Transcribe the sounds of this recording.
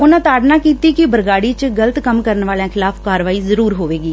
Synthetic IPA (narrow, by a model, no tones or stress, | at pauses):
ʊnãːt̪aːɖnãːkiːt̪iːkɪbəɾɡaːɽiːt͡ʃɡələt̪kəmkəɾənʋaːljãːkʰɪlaːpkaːɾʋaːiːzəɾuːɾɦoːʋeːɡiː